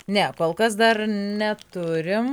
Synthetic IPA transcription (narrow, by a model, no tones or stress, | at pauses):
nʲɛkoːlˠkɐs̬d̪ɐrnʲɛt̪ʊɾʲɪm